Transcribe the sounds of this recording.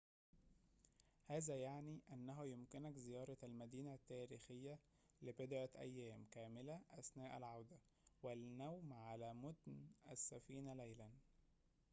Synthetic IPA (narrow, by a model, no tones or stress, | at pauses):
hæːzæjaʕniːʔænːæɦujʊmkɪnækzɪjɑːɾˤɑælmæd̪iːnæt̪ːæːɾiːxɪjːæ | lɪbɪd̪ʕaʔæ̰jːæːmkæːmɪlæʔæsnæːʔælʕawd̪æ | wɪlnæwmʕalæːmʊd̪nʔæsːæfiːnælæjlæn